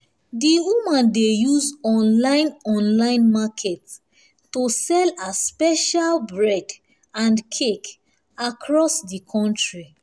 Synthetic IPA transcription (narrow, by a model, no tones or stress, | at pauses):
diwumãndejuzɔ̃nlãɪ̃nɔ̃nlãɪ̃nmakʰɛt | tosɛlaspɛʃalbɹɛd | ãnkʰek | akʰɹɔsdikʰɔ̃ntɹi